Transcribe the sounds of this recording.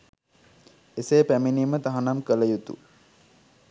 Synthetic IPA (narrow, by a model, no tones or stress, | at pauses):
eseːpæminiːmət̪aɦanamkələjut̪ṵ